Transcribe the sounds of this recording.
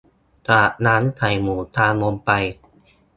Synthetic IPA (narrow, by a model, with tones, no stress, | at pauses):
t̪aː˨˩t̚naː˦˥nt̪ʰa˨˩jmuː˨˩˦t̪ʰaː˧nlo˧mpa˧j